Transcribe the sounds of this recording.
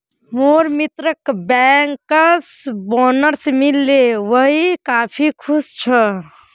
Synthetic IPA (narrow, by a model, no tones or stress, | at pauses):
moɾmit̪ɾəkbɛŋkəsbɔnəɾsmilːeʋəɦikapʰikʰust͡ʃʰə